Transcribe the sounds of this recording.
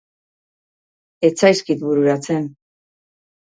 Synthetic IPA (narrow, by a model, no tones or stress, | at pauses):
e̞t͡sajskit̪βuɾuɾat͡se̞n